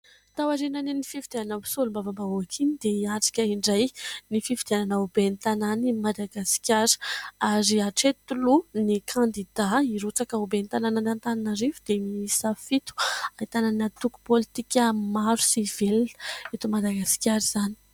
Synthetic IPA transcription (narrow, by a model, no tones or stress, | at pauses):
t̪awaɾenanenififid̪ananabu̥sulumbavambaoakʰinid̪eiaʈ͡ʂḁkʲəiɳɖ͡ʐajnififid̪iananaubenit̪ananimad̪aɡasi̥kʲaɾ̥aɾiaʈ͡ʂet̪ulunikʰãnd̪id̪aiɾut͡sakəubent̪anananant̪ananaɾivud̪emiisafit̪u̥ait̪ananat̪uku̥polit̪ikʲəmaɾu̥sivilet̪umad̪aɡasi̥kʲjaɾiz̥ani̥